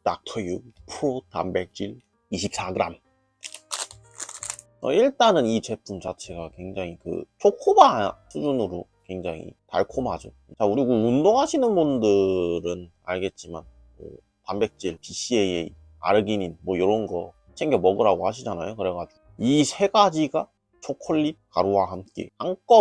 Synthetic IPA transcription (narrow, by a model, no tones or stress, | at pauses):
tak̚tʰojupʰota̰mbe̞k̚t͡ɕ͈iɭ | iɕʰip̚s͈aɡɯɾa̰m | ʌ̰iɭt͈anɯnit͡ɕe̞pʰumt͡ɕat͡ɕʰe̞ɡakwe̞ŋd͡ʑaŋikɯ̰t͡ɕʰokʰobasʰud͡ʑunɯɾokwe̞ŋd͡ʑaŋḭta̰ɭkʰomɦa̰d͡ʑo | t͡ɕauɾiɡoundoŋɦaɕʰinɯnbundɯɾɯna̰ɭɡe̞t̚t͡ɕ͈ima̰n | mʌ̰ | tambe̞k̚t͡ɕ͈iɭpiɕʰiejḛi | a̰ɾɯɡininmwʌjoɾʌɯnɡʌ | t͡ɕʰeŋɡjʌmʌɡɯɾaɡohaɕ̬ʰid͡ʑana̰jokɯɾe̞ɡad͡ʑuɡoisʰe̞ɡad͡ʑiɡa | t͡ɕʰokʰoɭːip̚kaɾuwaɦamk͈e̞̰kaŋk͈ʌ